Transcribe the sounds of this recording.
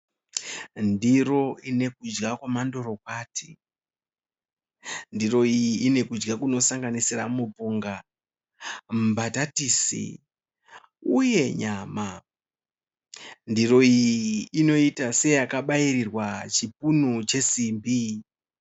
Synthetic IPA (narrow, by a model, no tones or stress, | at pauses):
ndiro̞ine̞kud͡ʒɡakwamando̞ɾo̞k̚waːtʰi̥ | ndiro̞ijiːne̞kud͡ʒɡakuno̞saŋɡanisiramupuːŋɡa | m̩batatiːsḭ | uje̞ɲaːma | ndiro̞ijiːno̞itase̞jakaɓairirwat͡ʃip̚unut͡ʃe̞simbi